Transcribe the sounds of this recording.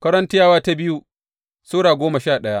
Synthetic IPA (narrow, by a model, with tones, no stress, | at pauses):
kɐ˦ɾɐ˦ntɪ˦jaː˦waː˦ta˦bɪ˦ju˦ | suː˦ɽaː˨ɡʷoː˦ma˨ʃaː˦˨ɗɐ˦ja˦ʔ